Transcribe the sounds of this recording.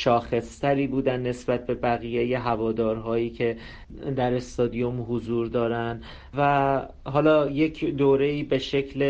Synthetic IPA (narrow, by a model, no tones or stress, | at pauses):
ʃɒːxe̞st̪ʰæɾiːbuːd̪ænːe̞sbæt̪̚ʰbe̞bæɣiːjeje̞ɦævɒːd̪ɒːɾɦɒːjiːcʰe̞ | d̪æɾe̞st̪ɒːd̪ijomɦozuːɾd̪ɒːɾænd̪ | væɦɒːlɒːjecʰd̪oːɾe̞iːbe̞ʃe̞cʰle